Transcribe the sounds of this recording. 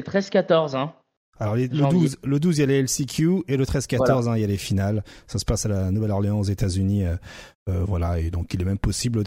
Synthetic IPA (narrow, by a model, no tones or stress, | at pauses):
t̪χɛzkʲat̪ɔʁzɛ̃ | alɔʁlelləd̪uzləd̪uzijaleɛlsekʲʰjuelət̪χɛzkat̪ɔʁzɛ̃iljalefinalsasə̥pasalanuvɛlɔʁleɑ̃ozet̪azyniø | øvwalaed̪ɔ̃kilɛmɛmpɔsibl